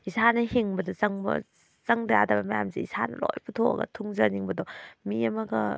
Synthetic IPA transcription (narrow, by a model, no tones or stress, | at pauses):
isanɐɦiŋbɐdɔzɐŋbɐ̰ | zɐŋdjadɐbɐmɐja̰mseisʰanɐ̰lo̰jpʰutʰoɐ̰ɡɐ̰tʰuŋzɐniŋbɐdɔmiɐmɐɡɐ